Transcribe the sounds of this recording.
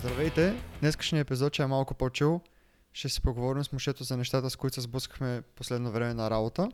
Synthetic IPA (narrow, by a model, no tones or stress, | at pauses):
zd̪ɾɐvɛjt̪ɛd̪nɛskə̥ʃnʲiəɛpizɔt̪̚t͡ʃɛɛmalˠkʊpot͡ʃulˠ | ʃt̪ɛsɛ̥poɡovɔɾimsmoʃɛt̪ozɐnɛʃt̪at̪əskoit̪szblˠəskə̥xmɛposlɛd̪novɾɛmɛnɐɾabot̪ə